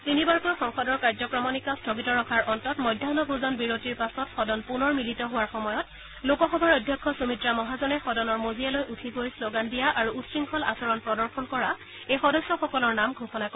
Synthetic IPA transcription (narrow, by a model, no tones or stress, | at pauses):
tinibaɹkɔjxɔŋxɔdɔɹkaɹzɔkɹɔmɔnikɔstʰoɡitɔɹɔkʰaɹʔɔntɔtmɔjdʱjanɔbʱuzɔnbiɹotiɹpasɔtxɔdɔnpunɔɹmilitɔɦʊwaɹxɔmɔjɔt̚ | lokɔxɔbʱaɹɔjdʱjɔkʰːɔsumitɹamɔɦazɔnɛxɔdɔnɔɹmozijalojʔutʰiɡojsloɡandijaʔaɹuutsɹiŋkʰɔla̰sɔɹɔnpɹɔdɔɹxɔnkɔɹa | ejxɔdɔsjɔxɔkɔlɔɹnamɡʱoxɔnak